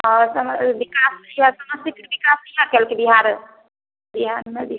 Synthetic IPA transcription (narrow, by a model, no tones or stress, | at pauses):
ɔɾsəmbikasjasəməst̪ikʈbikasijãkɛlkibiɦaɾ | biɦaɾmebiɦa